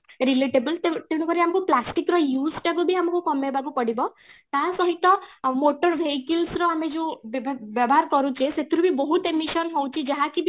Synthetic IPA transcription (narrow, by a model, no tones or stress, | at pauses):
ɾileʈebəlt̪et̪eɽ̃ukɔɾiamɔkuplasʈikɾɔjusʈakubiamɔkukɔmebakupɔɽibɔ | t̪asɔɦit̪ɔmoʈɔɾbʱeɦikilsɾɔamed͡ʒebbjɔbɔɦaɾkɔɾut͡ʃʰeset̪ʰiɾubibɔɦut̪emisɔnɦowt͡ʃʰid͡ʒaɦakib